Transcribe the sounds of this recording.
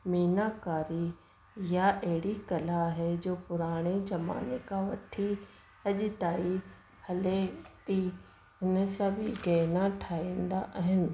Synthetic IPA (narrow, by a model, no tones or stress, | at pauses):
miːnakaːɾi | jaʔɐɦɪɽikɐlaɦɛd͡ʑoːpʊɾaːɽ̃ed͡ʒɐma̰ːnekaʋɐʈʰi | ɐʄt̪aːi | hɐlet̪i | ɪnəsãbʱɪɡɛːnãʈʰaːĩːnd̪aʔɐɦɪnɪ̆